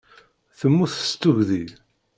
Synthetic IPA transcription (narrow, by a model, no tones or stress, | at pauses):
θəmːuθst̪ːuʝðið